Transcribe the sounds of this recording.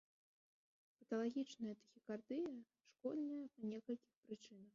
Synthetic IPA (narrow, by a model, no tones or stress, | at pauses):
pɐt̪ɐlˠaɣʲit͡ʂnɐjɐt̪ɐxʲikard̪ɨjɐ | ʂkɔd̪nɐjɐpɐnʲɛkɐlʲkʲixpɾɨt͡ʂɨnɐx